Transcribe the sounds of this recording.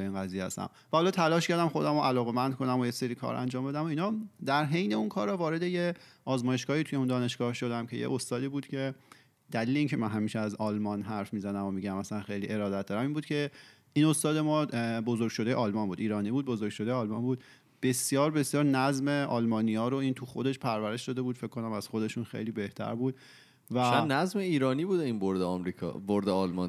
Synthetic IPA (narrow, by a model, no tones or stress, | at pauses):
eiːnɡæziːjehæ̰st̪æ̰m | væhɒːlɒːt̪ʰælɒːʃcʰæɾd̪æmxo̞d̪æmoʔælɒːɣemænd̪kʰo̞næmojeseɾiːkʰɒ̰ːɾæ̰nd͡ʒɒːmbe̞d̪æmoinɒːd̪æɾɦe̞jne̞unkʰɒːɾɒvɒːɾe̞d̪ejeɒːzmɒːje̞ʃɡ̥ɒːhit̪ʰuje̞und̪ɒːne̞ʃɡ̥ɒːhʃo̞d̪æmcʰe̞jḛʔost̪ɒːd̪iːbuːd̪̥cʰe̞ | d̪æliːleiŋcʰe̞mænɦæmiːʃeæzɒːlmɒːnɦæɾfmiːzænæmomiɟæmæslænxe̞jliːʔe̞ɾɒːd̪æt̪̚d̪ɒːɾæmiːnbuːd̪̚cʰe̞ | iːno̞st̪ɒːd̪e̞mɒːbozoɾɡ̥ʲʃod̪e̞jeʔɒlmɒːnbuːd̪iːɾɒːniːbuːd̪̚bo̞zoɾɡ̥ʃod̪ejeɒːlmɒːnbuːd̪ | b̥e̞sjɒːɾbe̞sjɒːɾnæzme̞ʔɒ̰ːlmɒːnijɒːɾoiːnt̪ʰuxo̞d̪e̞ʃpʰæɾvæɾe̞ʃd̪ɒːd̪e̞buːd̪̥feckːo̞næmæz̥xo̞d̪e̞ʃunxḛjliːbe̞ht̪ʰæ̰ɾbuːd̪̥ | væænæzmeiːɾɒːniːbuːd̪einboɾd̪eɒmɾikʰɒ̰ːboɾd̪eɒlmɒn